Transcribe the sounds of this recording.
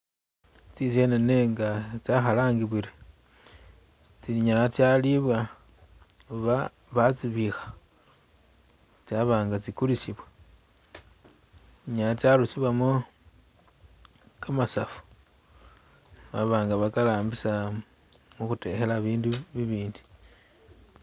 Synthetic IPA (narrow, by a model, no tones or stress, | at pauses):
t͡sisenene̞ŋɡat͡saxalaːŋɡiβiɾi | t͡siiɲalat͡sjaliβwa | uβa | βat͡siβixḁ | t͡saβaːŋɡat͡sikulisiβwa | iɲalat͡sjalut͡siβamo | kamasafu̥ | βaβaːŋɡaβakalaːmbisa | muxute̞̰xelaβiːnduβiβiːndi̥